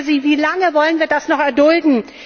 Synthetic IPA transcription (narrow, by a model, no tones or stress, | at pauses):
ziːviːlaŋəvɔlənviːɐdasnɔχɛɐdʊldn̩